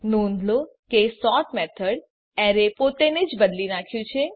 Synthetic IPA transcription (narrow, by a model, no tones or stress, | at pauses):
nõnd̪lokesɔʈmɛt̪ʰəɽ | ɛɾepot̪ened͡ʒbəd̪linakʰjũt͡ʃʰe